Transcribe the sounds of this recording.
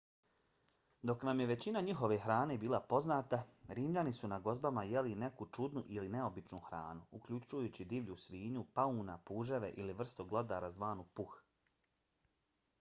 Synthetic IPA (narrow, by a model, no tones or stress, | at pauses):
d̪o̞knamje̞ʋe̞t͡ɕinaɲiɦo̞ʋe̞xɾaːne̞ːbiːlˠapo̞znaːt̪aɾiːmʎanisunaɡo̞zbamaje̞line̞kut͡ʃud̪nuʔiline̞o̞bit͡ʃnuxɾa̰ːnuukʎut͡ʃujuːt͡ɕid̪iːʋʎusʋiːɲupauːnapuːʒe̞ʋeʔiliʋr̩st̪oɡlˠod̪aːɾazʋaːnupux